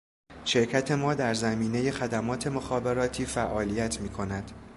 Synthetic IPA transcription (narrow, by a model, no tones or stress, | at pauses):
ʃe̞ɾcʰæt̪ʰe̞mɒːd̪æɾzæmiːne̞je̞xæd̪æmɒːt̪ʰe̞mo̞xɒːbe̞ɾɒːt̪ʰiːfæʔɒːliːjæt̪ʰmiːkʰo̞næd̪̥